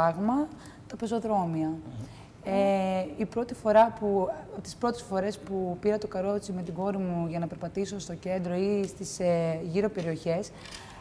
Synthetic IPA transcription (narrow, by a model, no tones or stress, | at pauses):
ɐɣmɐ | t̪ɐpe̞so̞ðɾo̞miɐ | eipɾo̞t̪ifo̞ɾɐput̪i̥spɾo̞t̪e̞sfo̞ɾe̞spupiɾɐt̪o̞kɐɾo̞t͡sime̞t̪iɡo̞ɾimuʝɐnɐpe̞ɾpɐt̪iso̞st̪o̞ce̞nd̪ɾo̞ist̪isʝiɾo̞pe̞ɾio̞çe̞s